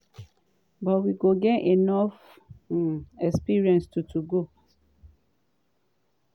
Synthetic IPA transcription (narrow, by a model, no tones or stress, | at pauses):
bɔtwiɡoɡɛtenɔf | ɛkspiɹiɛ̃nstutʰuɡo